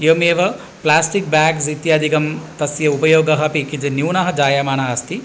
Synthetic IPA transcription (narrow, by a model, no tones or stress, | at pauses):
joːmeːʋɐ | plaːsʈik̚baːks̬it̪jaːd̪ʱikɐmt̪ɐsjɐupɐjoːɡɐɦɐpikid͡ʒɐnjuːnɐɦɐd͡ʒaːjaːmaːnaɐst̪i